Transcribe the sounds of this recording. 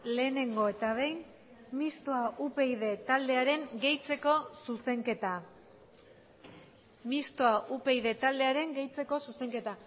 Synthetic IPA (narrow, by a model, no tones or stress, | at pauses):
le̞ːne̞ŋɡo̞e̞t̪aβ̞e̞jn | mist̪oaʔupe̞jð̞e̞t̪ald̪e̞aɾe̞ŋɡe̞jt͡se̞ko̞suse̞ŋke̞t̪a | mist̪oaʔupe̞jðe̞t̪ald̪e̞aɾe̞ŋɡe̞jt͡se̞ko̞suse̞ŋke̞t̪a